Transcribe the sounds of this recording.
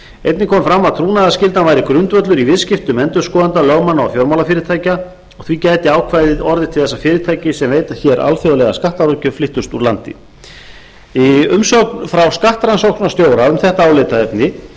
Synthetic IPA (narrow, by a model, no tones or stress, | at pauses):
ḛjt̪nɪkʰɔːmfɾamːaðt̪ʰɾuːnaðascɪlt̪navaːjɾɪkɾʏnt̪vœt̪lʏɾivɪðscɪft̪ʏmɛnt̪ʏɾ̥skɔːðant̪alœɣmanːaɔ̰fjowɾmawlafɪːɾɪt̪ʰaːjca | ɔɣθvicaːjt̪ɪaːwkʰvajðɪðɔɾðɪt̪ʰɪlθɛsafɪːɾɪt̪ʰaːjcɪsɛmveːjt̪ḁçɛɾʔa̰lfjoðlɛɣa̰skaht̪aɾocʏflɪht̪ʏst̪uɾlant̪ɪ̰ | iʏmsɔknfɾawskaht̪ɾansowknnast̪joːwɾaʏmθɛht̪aaːwlɪt̪aɛpnɪ